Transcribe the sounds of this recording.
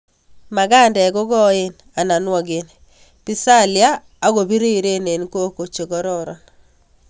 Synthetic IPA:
ma˨ɡa˦˨ndɛ˨ɡɔ˦ɡɔ˦ɪ˦n | a˨na˨nwɔ˨ɡɪ˨n | pi˦sa˦lɪaː˦ | ɡo˨bi˦ɾi˦˨ɾe˦ne˨nko˦ko˨t͡ʃe˨ɡɔ˦ɾɔ˦ɾɔ˨n

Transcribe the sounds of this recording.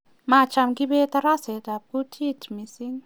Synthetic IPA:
mat͡ʃa˧mɡi˦be˦t̪aɾa˦se˨t̪a˨b̚kutʰi˦t̪misiŋ

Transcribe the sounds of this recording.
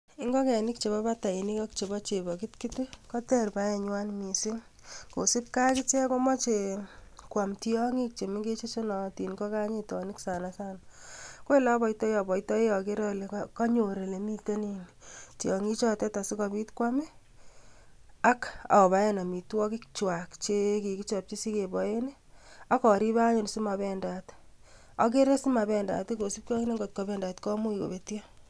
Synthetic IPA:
i˦ŋɡɔ˦kɛ˨nɪ˦k̚t͡ʃe˨βɔ˦ba˦ta˨i˨ni˦kɔ˦kt͡ʃe˨bɔ˦t͡ʃe˨bɔ˨kɪ˦tki˦tɪ˦kɔ˦tɛ˦rpa˦jɛ˨ɲwa˦nmi˨sɪ˦ŋ | ko˨sɪ˦p̚ka˦kɪ˦t͡ʃɛ˦ko˦mɔ˦t͡ʃe˨kwa˨mti˦ɔ˦ŋi˦k̚t͡ʃe˨mɪ˦ŋɡe˦t͡ʃi˦si˦nɔ˨ti˨nkɔ˦ka˦ɲe˦tɔ˨nɪ˦ksa˨nasa˦nako˦e˦la˦bɔ˨itɔ˦jjɔ˨bɔ˨itɔ˦e˦jɔ˨ke˦ɾɔ˦le˨kɔ˦ɲo˨ɾe˨le˨mi˦te˦ni˨nt͡ʃiɔ˨ŋi˦t͡ʃɔ˦tɛ˦ta˨si˦ka˧bi˦tkwa˦mɛ˦ | a˦ka̰˨ɔ˨ba˨˦je˦na˨mi˨twɔ˦ki˦k̚t͡ʃwa˨kt͡ʃe˦ki˨ki˦t͡ʃɔ˨p̚t͡ʃi˦si˦ke˨bɔ˨je˦ne˦ | a˦kɔ˨ɾi˦ba˦ɲe˨n˨si˦ma˨bɛ˨nda˨t | ɔ˨k̬e˦ɾe˦si˦ma˨bɛ˨nda̰˨ti˦ko˨si˦p̚kɔ˦ki˦ne˦ŋɡo˨t̚kɔ˨bɛ˨nda˨tkɔ˦mu˦i˨ko̰˨be˦ti˦a˦

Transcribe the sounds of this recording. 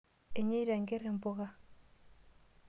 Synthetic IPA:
e˨ɲe˦i˦ɾa˨ŋɡe˦ɾe˨mbo˦ɣa˦

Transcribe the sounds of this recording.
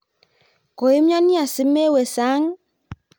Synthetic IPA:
ko˨i˦m˦ɲa˦ni˦a˨sɪ˨˦me˦we˨sa˨˦ŋ˦

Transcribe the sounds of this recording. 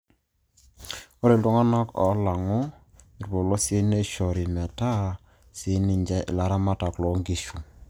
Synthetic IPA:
o˦ɾe˨lɔ˦ŋa˦na˦kɔ̰˨˦la˨ŋɔ˦ | ɪ˨ɾbo˨lɔ˦sɪ˦ne˦ʃɔ˨ɾi˨mɛ˨ta˦ | sɪ˨˦nɪ˨ɲd͡ʒɛ˦ʔɪ̰˨la˨ɾa˦ma˦ta˨klɔ˨˦ŋɡi˨ʃu˨

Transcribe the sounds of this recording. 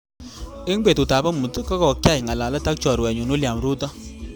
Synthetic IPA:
e˦ŋbe˨tʊ˨ta˨ba˦mu˨tkɔ˦kɔ˨kja˦jŋa˨la˨la˦ta˦k̚t͡ʃɔ˨ɾwɛ˨ɲo˨no˦lja˨mɾu˦tɔ˦

